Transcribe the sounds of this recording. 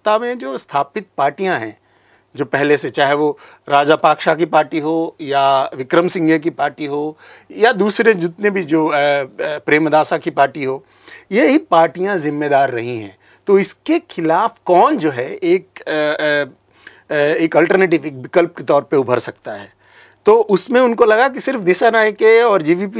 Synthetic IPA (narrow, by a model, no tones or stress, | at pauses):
t̪amẽd͡ʒoːst̪ʰaːpɪt̪̚paːɾʈijãɦɛ̰̃ː | d͡ʒoːpɛɦleset͡ʃaːɦeʋo | ɾaːd͡ʒapaːkʃakipaːɾʈiɦoːjaʋɪkɾəmsɪ̃ŋɡek̬ipaːɾʈiɦoː | jad̪uːsɾed͡ʒʊt̪nebʱid͡ʒoː | pɾeːmd̪ʱaːsakipaːɾʈiɦoː | jeɦipaːɾʈijãzɪmːed̪aːɾːɐ̰ɦĩɦɛ̰̃ː | t̪oːɪskexʰɪlaːfkɔːnd͡ʒoːɦɛeːk̚ː | eːkɐlʈəɾneːʈ̬ɪʋeːk̚bɪkəlp̚ket̪ɔːɾpeʊbʱəɾsɐk̚t̪aɦɛː | t̪oːʔʊsmẽʊnkolɐɡakisɪɾfd̪ɪʃanaːjkeɔːɾd͡ʒiːʋiːpi